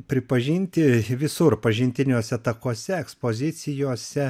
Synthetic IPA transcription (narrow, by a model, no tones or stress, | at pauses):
pʲɾʲɪpɐʒʲɪnʲt̪ʲɪʋʲɪsʊɾpɐʒʲɪnʲt̪ʲɪnʲoːsʲɛɐt̪ɐkoːsʲɛɛkspoːzʲɪt̪sʲɪjoːsʲɛ